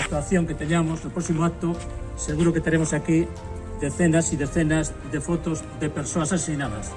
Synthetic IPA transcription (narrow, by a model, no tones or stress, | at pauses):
ak̚t̪waθjoŋket̪eɲamoznopɾɔsimoat̪ʊ | seɣuɾoket̪eɾemosaki | ðeθenasiðeθenaz | ðefɔt̪ozðepeɾsoasassinaβɐ̰s